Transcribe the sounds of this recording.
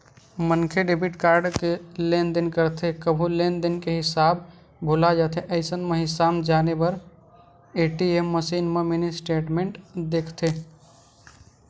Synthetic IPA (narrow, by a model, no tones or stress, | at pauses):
mənkʰeɖebiʈkaːɾɖkelend̪inkəɾt̪ʰekəbʱulend̪inkeɦɪsaːb | bʱulad͡ʒat̪ʰeʔəɪsənmeɦɪsaːbd͡ʒaːnebəɾ | eʈiemːəsiːnmemenesʈeːʈmeɳʈd̪ekʰt̪ʰe